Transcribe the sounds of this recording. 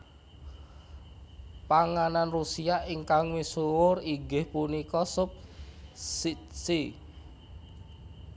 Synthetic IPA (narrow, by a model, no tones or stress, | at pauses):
paŋananrusiaʔiŋkaŋwesuwʊriɡɪhpunikɔsʊp̚ | sisi